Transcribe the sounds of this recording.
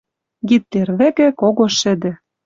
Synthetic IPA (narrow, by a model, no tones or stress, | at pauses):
ɡit̪ːerβĕkɘ̆koɣoʃɘ̆d̪ɘ̆